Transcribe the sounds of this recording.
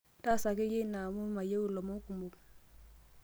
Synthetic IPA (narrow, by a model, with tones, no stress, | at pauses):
ta˦˨sa˨ke˦je˦na˨mu˦ma˨je˦wu˨lo˨mo˦ku˨mbu˨k̚